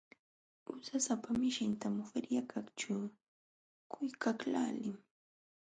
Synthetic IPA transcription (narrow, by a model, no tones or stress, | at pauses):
ʊsasapamɪʃɪnt̪amʊfɪɾjakʰakʈ͡ʂʊ | kʊjkakla̰ːlɪm